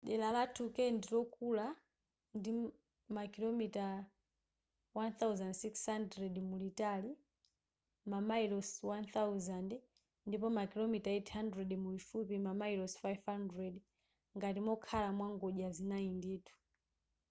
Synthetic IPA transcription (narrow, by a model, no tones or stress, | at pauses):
ɗɛlalatʰukɛndiɾɔkula | ndi | makilomita | wanθawzandsikshandɾɛdmulitali | mamailɔswanθawzand | ndipɔmakilɔmitaɛtʰhandɾɛɗmulifupimamajlɔsfajvhandɾɛd | ŋɡatimɔkʰalamwaŋɡɔʄazinaindeːtʰu̥